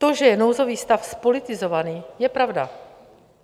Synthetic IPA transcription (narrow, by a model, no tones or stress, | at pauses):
t̪oʒɛjɛnowzo̞viːst̪afspo̞lɪt̪ɪzovaniːjɛpɾavda